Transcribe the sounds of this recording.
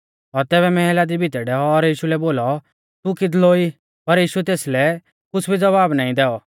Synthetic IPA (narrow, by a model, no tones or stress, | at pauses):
ɔɾt̪ɛːbɛmɛɦɛlad̪ibʱit̪ɛɖɛːɔːɾjiːʃulɛboːlɔ | t̪ukɪd̪loi | pɐɾjiːʃuɛt̪eːslɛ | kʊsbʱid͡zɐβaːbnaːĩd̪ɛːɔ